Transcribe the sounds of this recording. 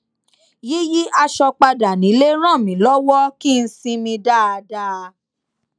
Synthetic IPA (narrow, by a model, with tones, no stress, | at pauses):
ji˦ji˦ʔa˧ʃɔ˧k͡pa˧da˨nĩ˨˦le˦ɾ̃ã˦˨mĩ˨˦lɔ˦wɔ˦ki˦˧n̩˧sĩ˧mĩ˧da˦a˧da˧